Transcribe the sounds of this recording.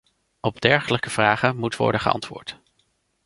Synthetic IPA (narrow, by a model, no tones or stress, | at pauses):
ɔbdɛɹχələkəv̥raːχəmutʋɔ̰ɹdəχəɑ̰ntʋʊ̰ːɹt